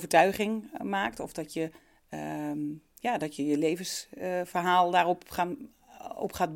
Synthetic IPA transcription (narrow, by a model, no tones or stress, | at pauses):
vəɹtœɥχɪŋmaːktɔfdɔtʰjə | jaːdɔtjəjəleːvəsfərɦaːlˠdarɔp | ɔ̰pχaːt̚